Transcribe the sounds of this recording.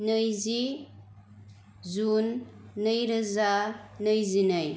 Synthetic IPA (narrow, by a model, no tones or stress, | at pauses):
nɯjzi | zunːəjɾɐzanɯjzinɯj